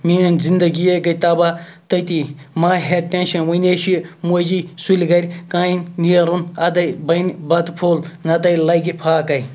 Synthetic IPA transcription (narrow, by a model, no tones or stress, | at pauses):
miɐnzind̪ɐɡijeɡɐt̪ɐbat̪ɐt̪imaːɦeɾʈẽnʃɐnwɐneːʃimod͡ʒisulʲɡɐɾʲkaːinijɐɾunɐd̪ɐbɐnbɐd̪pʰoːlnɐt̪ɐjlɐjɡipʰaːkɐj